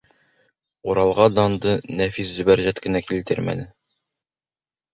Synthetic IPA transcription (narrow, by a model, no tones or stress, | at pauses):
uɾɑlˠʁɑd̪ɑnd̪ɤnæfiszʉ̆bæɾʑæt̪kɘ̆nækilt̪ɘ̰ɾmæ̰nɘ